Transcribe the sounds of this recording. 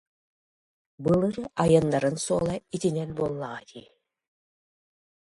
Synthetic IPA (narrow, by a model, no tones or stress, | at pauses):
bɯlˠɯɾajɯnːaɾɯnsuɔlˠait̪inɛnbuɔlˠːaʁat̪ʰiː